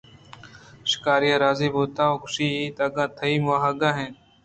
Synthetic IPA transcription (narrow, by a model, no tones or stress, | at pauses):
ʃɪ̥kaːɾijãːɾaːziːboːt̪aːoːkʊʃiːiːt̪aːɡãːt̪ʰəiːmwaːɦaːɡãːɦẽː